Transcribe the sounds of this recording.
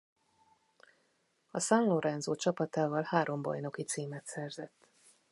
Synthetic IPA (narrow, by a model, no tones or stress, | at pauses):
ɒsɒnloɾɛnzoːt͡ʃɒpɒt̪aːvɒlhaːɾo̞mbɒ̰jno̞kit̪siːmɛt̪sɛrzɛt̪ː